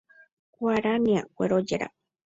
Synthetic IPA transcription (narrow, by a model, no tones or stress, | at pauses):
kʷaɾaniakʷeɾod͡ʒeɾa̰